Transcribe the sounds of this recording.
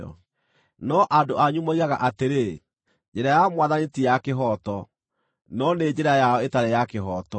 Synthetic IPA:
ɔ̰ | nɔʔadoaɲumoiɣaɣaʔateɾe | d͡ʒeɾajamwaðanitijakeɦɔtɔ | nɔned͡ʑeɾajaɔetaɾejakeɦɔtɔ

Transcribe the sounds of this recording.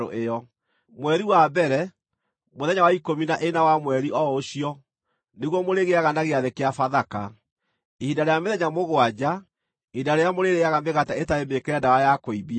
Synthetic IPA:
o̰ʔeɔ | mwɛɾiwabɛɾɛ | moðɛɲawaikominaʔenawamwɛɾiʔɔoɕiɔ | neɣwɔmoɾeɣeaɣanaɣeaðekeafaðaka | ehidaɾejameðɛɲamoɣoad͡ʑa | eidaɾejamoɾeɾeaɣameɣataetaemekeɛdawajakoiβia

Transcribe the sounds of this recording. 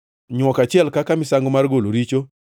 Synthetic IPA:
ɲwɔkat͡ʃɪɛlkakamɪsaŋɡomarɡoloɾit͡ʃo

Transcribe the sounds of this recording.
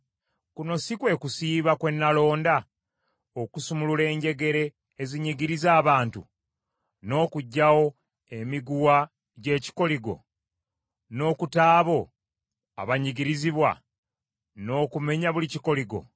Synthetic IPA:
kuno̞sikwe̞kusiːβakwe̞nːalo̞ːnda | okusumulule̞ːɲɟe̞ɡe̞ɾe̞ː | ziɲiɡiɾizaːβaːntu | no̞ːkuɟːawo̞ | emiɡuwa | ɟe̞ːci̥ko̞liɡo̞̰ | no̞ːkutaːβo̞ | a̰βaɲiɡiɾiziβwa̰ | no̞ːkume̞ɲaβuliciko̞liɡo̞̰

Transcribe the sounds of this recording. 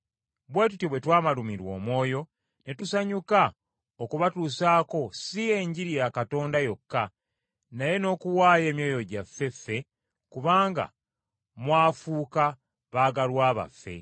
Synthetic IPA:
βwe̞ːtutjoβwe̞twaːmalumiɾwo̞̰ːmwo̞ːjo̞ | ne̞tusaɲuka | okuβatuːsaːko̞sie̞ɲɟiɾijaːkato̞ːndajo̞kːa | naje̞no̞ːkuwaːje̞ːmjo̞ːjo̞ɟafːe̞fːe̞ | kuβaːŋɡa̰ | mwaːfuːka | βaːɡalwaːβa̰fːe̞̰

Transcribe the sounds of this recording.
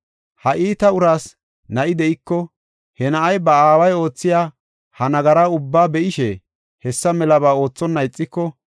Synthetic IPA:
hɐʔiːt̪ɐʊɾaːs | nɐʔɪd̪ɛʔɪkːɔ | hɛnɐʔɐjbɐaːwɐjo̞ːt͡sːɪjaː | hɐnɐɡɐɾɐʊbːaːbɛʔɪʃɛ | hɛsːɐmɛlɐbaːo̞ːt͡sːɔnːɐjt͡sʼːɪkːɔ

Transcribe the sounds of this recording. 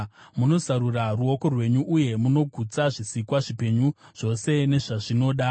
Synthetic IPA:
muno̞zaɾuraruo̞ko̞rwe̞ɲuʔːje̞muno̞ɡʱut͡saʐisikwaʐipe̞ɲuʐ̥o̞se̞ne̞ʐaʐino̞ːɗa

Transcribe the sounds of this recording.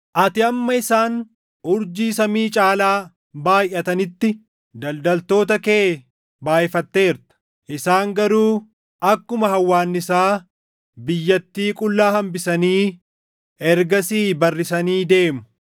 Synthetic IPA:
ʔɐt̪ɪɐmːɐɪsaːn | ʊɾd͡ʒiːsɐmiːt͡ʃʼaːlaː | baːjʔɐt̪ɐnɪt̪ːɪ | d̪ɐld̪ɐlt̪o̞ːt̪ɐkeː | baːʔɪfɐt̪ːe̞ːɾt̪ɐ̥ | ʔɪsaːŋɡɐɾuː | ʔɐkːʊmɐhɐwːaːnːɪsaː | bɪjːɐt̪ːiːkʼʊlːaːhɐmbɪsɐniː | ɛɾɡɐsiːbɐrːɪsɐniːd̪e̞ːmʊ̥

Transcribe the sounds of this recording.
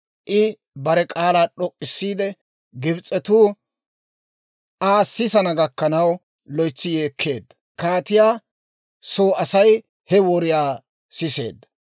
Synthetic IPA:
ʔɪ | bɐɾɛkʼaːlaːᶑɔkʼːɪsːiːd̪ɛ | ɡɪbt͡sʼːɛt̪uː | aːsːɪsɐnɐɡɐkːɐnɐw | lɔjt͡sːɪjeːkʰːe̞ːd̪ːɐ̥ | kaːt̪ɪjaː | so̞ːɐsɐj | hɛwɔɾɪjaː | sɪse̞̰ːd̪ːɐ̥

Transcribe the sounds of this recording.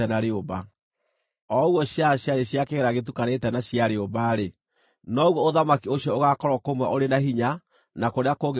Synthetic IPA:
ɛnaɾeoba | ɔuɣwɔɕjaɕjaɾeɕjakeɣeɾaɣet̬ukanetɛnaɕjaɾeobaɾe | nɔɣwɔoðamakioɕjɔoɣakɔɾwɔkomwɛʔoɾenaɦiɲa | nakoɾeakoɣ

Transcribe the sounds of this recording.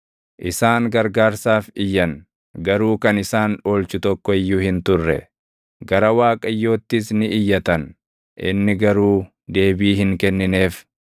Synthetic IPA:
ʔɪsaːŋɡɐɾɡaːɾsaːfɪjːɐn | ɡɐɾuːkɐnɪsaːno̞ːlt͡ʃʊt̪ɔkːɔɪjːʊhɪnt̪ʊrːɛ̰ | ɡɐɾɐwaːkʼɐjːo̞ːt̪ːɪsnɪʔɪjːɐt̪ɐn | ʔɪ̰nːɪɡɐɾuː | d̪e̞ːbiːhɪŋkɛnːɪne̞ːf

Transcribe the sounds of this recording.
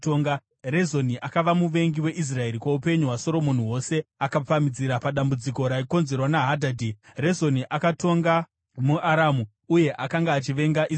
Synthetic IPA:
toŋɡa | rezo̞niʔakaʋamuʋe̞ŋɡiwe̞ʔis̬rae̞ɾikwaupe̞ɲuɦwaso̞ɾo̞mo̞niwo̞se̞akap͡famid͡ziɾapaɗambud͡ziko̞ɾaiko̞nze̞rwanaɦadʱadʱire̞zo̞niʔakato̞ŋɡa | muʔaɾamu | uje̞ʔakaŋɡaːt͡ʃiʋe̞ŋɡaʔi

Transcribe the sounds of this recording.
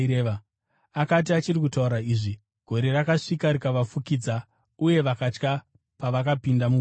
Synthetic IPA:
eʋa | akat̬iat͡ʃirik̬utauɾaiːʐi | ɡ̥ʱo̞ɾe̞rakaʂikaɾikaʋafukid͡za | uje̞ʋakat͡ʃka | paʋakapindamu

